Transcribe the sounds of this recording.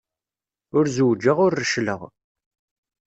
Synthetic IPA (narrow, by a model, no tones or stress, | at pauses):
ʊɾzəwd͡ʒːəʁʊɾːəʃlə̰ʁ